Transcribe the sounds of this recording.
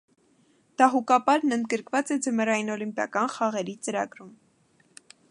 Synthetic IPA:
d̪̥ɑɦukɑpɑɾnənd̪̚ɡəɾkvɑt͡sɛd͡zəməɾɑjinɔlimpjɑ̰kɑnχɑʁɛɾit͡səɾɑ̰ɡɾum

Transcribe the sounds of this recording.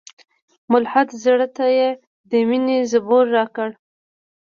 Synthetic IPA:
mʊlħad̪zəɽət̪aje | d̪əminezəboɾːɑkəɽ

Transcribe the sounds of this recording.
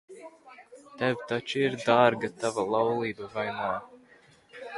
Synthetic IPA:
t̪ɛvt̪at͡ʃiiɾd̪aɾɡat̪avalˠawlˠiːbavajnaː

